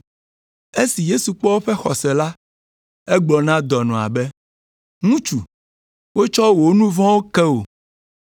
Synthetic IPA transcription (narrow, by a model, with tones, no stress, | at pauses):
e˦si˨je˦su˨k͡pɔ˦wo˦ɸɛ˦xɔ˨sɛ˨la˦ | ɛ˦ɡ͡blɔ˨nã˦d̪ɔ˨nɔ̃˨a̰˨bɛ˦ | ŋũ˦t͡ʃu˨ | wo˦t͡ʃɔ˦wo˨nũ˦vɔ̃˦wo˦kɛ˦wo˨